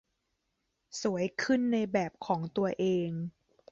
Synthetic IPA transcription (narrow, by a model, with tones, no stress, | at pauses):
su˩˦əjkʰɯ˥˩nːa˧jbɛː˨˩p̚kʰɔː˩˦ŋt̪u˧ɐʔeː˧ŋ